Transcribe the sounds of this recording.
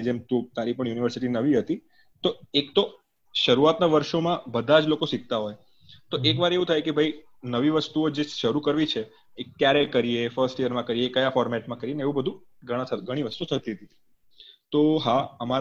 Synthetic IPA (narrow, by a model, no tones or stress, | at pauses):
d͡ʒemt̪ũt̪aɾipəɳjuniʋəɾsiʈinəʋiɦət̪i | t̪oekt̪o | ʃəɾuat̪naʋəɾʃomãbəd̪ʱad͡ʒlokosiɡ̚t̪aɦoj | t̪oʔekʋaɾeʋũt̪ʰajkebʱəi | nəʋiʋəst̪uod͡ʒeʃəɾukəɾʋit͡ʃʰeː | kjaɾekəɾijefəɾsʈijəɾmãkəɾiekəjafɔɾmɛʈmãkəɾijeneeʋũbəd̪ʱũ | ɡʱəɽ̃aəɡʱəɽ̃iʋəst̪ut̪ʰət̪iɦət̪i | t̪oɦaəma